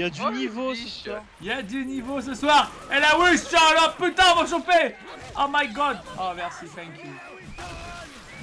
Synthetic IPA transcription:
ad̪ynivosəsa | iljad̪ynivos̬əswaːʁ | ɛlawist̪aʁalɔʁpyt̪ãvɔ̃ʃ̬ɑ̃pe | omajɡɑd̪omɛʁsit̪ɛ̃kʲʰju

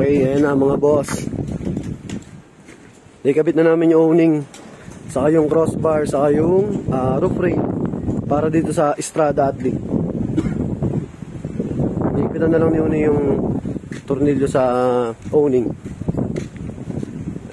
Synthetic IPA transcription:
okɛjɐjɐnɐmɐŋaboʔɐs | nɐjkɐbɪt̪nɐnaːmɪnjʊŋʔownɪŋ | sɐkajʊŋkɾosbɐɹsɐkajʊŋʔaɾupɾi | paːɾɐd̪iːt̪o̞sɐʔɪst̪ɾaːd̪ɐʔɐt̪li | nɐkbɪt̪ɐnːɐlɐŋnɪunɪjʊŋ | t̪ʊɾniljosɐʔownɪŋ

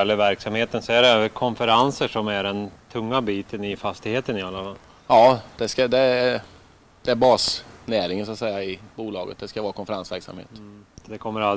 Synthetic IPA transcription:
ɛlːəɾvæɾksamheːt̪ənsɔæɖɛkʰɔnfəɾansəʂɔmæɖɛnt̪ʰɵŋːabiːt̪ʰənɪfast̪ɪɡheːt̪ənɪalːafa | jɑːd̪̥ɛskad̪ɛ | d̪̥ɛæɾbɑːsnæːɾɪŋənsɔat̪sɛjːaɪbuːlɑːɡə̰t̪̚d̪ɛskavɑːɾakʰɔnfəɾansvæ̰ɾksa̰mhḛːt̪d̪ɛkʰɔmːəɾa

